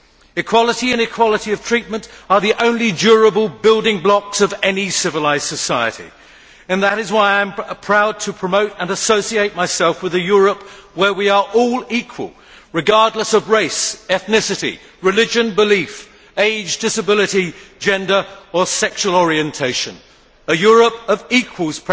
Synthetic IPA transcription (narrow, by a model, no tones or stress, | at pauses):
ɨkʰw̥ɑlˠəɾiɨ̃nɨkʰw̥ɑlˠəɾiʌv̥tʰɹ̥it̚mɨ̃ntə˞ðiʔõʊ̃nlid͡ʒʊɹəbəl̩ˠbɪlˠdɪ̃ŋblɑksʌvɛnisɪvəlaɪz̥sɨsaɪɨ̰ɾḭ | ɨ̃nðəɾɨzwaɪãɪ̃mpʰɹ̥aʊd̚tʰɨpʰɹ̥əmoʊɾə̃nəsoʊsieɪt̚maɪsɛlˠfwɨðɨjʊɹəp̚wə˞wiə˞ʔɔlˠikʰwə̰lˠ | ɹɨɡɑɹdˡləsʌvɹeɪsɛθnɪsɨɾḭ | ɹɨlɪd͡ʒɨ̃nbəlif | eɪd͡ʒdɪsəbɪlˠɨɾi̥d͡ʒɛ̃ndə˞əsɛkʃuəlˠɔɹiɨ̃ntʰeɪʃɨ̃n | ɨjʊɹɨpʌvikʰwəlˠz̥pʰ